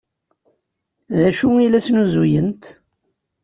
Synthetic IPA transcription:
ðæʃuilæθnuzujənt̪

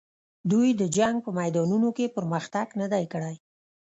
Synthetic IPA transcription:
d̪ujd̪əd͡ʒaŋɡ̚pəmajd̪ɑnunokepəɾməxt̪aɡnəd̪ajkəɽaj

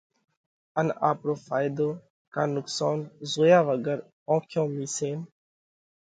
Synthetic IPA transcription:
əna̰ːpɾoːfaːjd̪oː | kaːnʊksɔːnzoːjaːʋəɡəɾ | ɔ̃ːkʰjõːmiːseːn

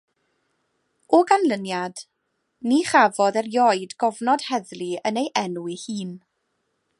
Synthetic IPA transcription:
ɔɡanlənjad̥ | niχavɔðɛrjɔɨdɡɔvnɔd̥hɛðliənejʔɛnuɪhiːn

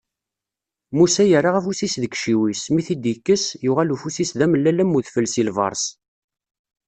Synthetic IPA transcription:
musæjəɾaʁæfusisðəkʃiwismiθid̪ikːəsjʊʁælufusisðæməlːælæmːuðfəlːsilvɑ̰ɾˤs

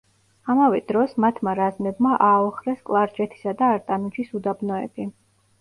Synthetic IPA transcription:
amavɛd̪ɾɔsmat̪ʰmaɾaznɛbmaʔaɔχɾɛskʼlˠaɾd͡ʒɛt̪ʰi̥sad̪aːɾt̪ʼanut͡ʃʰisud̪abnɔɛbi

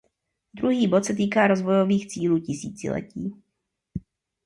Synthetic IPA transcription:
d̪ɾuɦiːbot̪sɛt̪̬iːkaːɾozvojoviːxt͡siːluːcɪsḭːt͡sɪ̰lɛ̰ciː

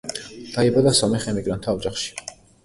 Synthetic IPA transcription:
d̪̥aibad̪asɔmɛχɛmiɡɾant̪ʰaːvd͡ʒaχʃi̥

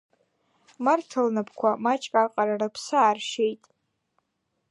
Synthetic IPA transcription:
martʰalnapʰkʷʰamat͡ʃʼkʼaqʼaɾarapʰsaːrʃejtʼ

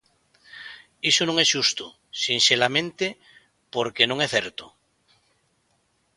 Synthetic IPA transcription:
isonõŋesʃust̪o | sinselamẽnt̪e | poɾkenõŋeθeɾt̪o

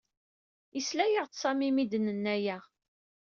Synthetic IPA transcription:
islæjəʁt͡ssˤɑmimid̪ənənːæjæ

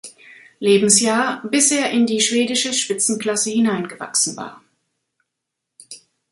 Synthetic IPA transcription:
leːbm̩sjaːɐbɪsʔeːɐʔɪndiːʃv̥eːdɪʃəʃpɪt͡sn̩kl̥asəhɪnaɪnɡəva̰ksn̩va̰ːɐ

